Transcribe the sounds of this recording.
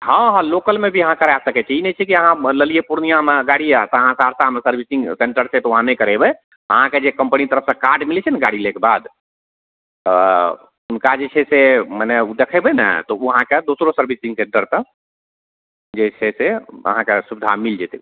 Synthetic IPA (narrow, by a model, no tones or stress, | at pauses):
hɔ̃ɦɔ̃lokəlmebʱiəɦãkəɾasəket͡ʃəinɛt͡ʃʰɛkiəɦãləlijepuɾnijameɡaɽijat̪ɔəɦãsaɾsamesəɾbʱisĩŋɡseɳʈəɾsʰɛt̪ɔʋəɦãnekəɾɛbɛ | ə̰ɦãked͡ʒekəmpənit̪əɾəpsẽkaɾɖmilt͡ʃʰɛnɡaɽilekebad̪ | unkad͡ʒet͡ʃʰɛsemənɛud̪ekʰɛbɛnɛ̰t̪ɔuɦãked̪osɾosəɾbʱisĩŋseɳʈəɾt̪ə | d͡ʒet͡ʃʰɛseə̰ɦãkesubid̪ʱa̰mild͡ʒet̪e